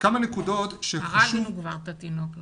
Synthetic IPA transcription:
kamanekudo̞t̪ʃeaʃiuɡvaʁt̪at̪inokl

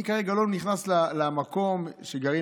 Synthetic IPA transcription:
ikaʁeɡalolniχnaslalamako̞mʃeɡaʁi

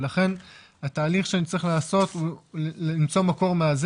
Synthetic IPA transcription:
laχe̞n | hat̪aːliχʃeanit͡sʁiχlaːso̞t̪ulimt͡so̞mako̞ʁmeaz

